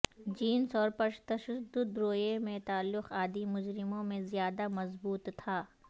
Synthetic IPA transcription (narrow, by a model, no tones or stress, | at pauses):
d͡ʒiːnsɔːɾpɐʃt̪ɐʃɐd̪ʊd̪ɾoːjemẽt̪aːlːʊqaːd̪imʊd͡ʒɾɪmõmẽzɪjaːd̪amɐzbuːt̪ːʰaː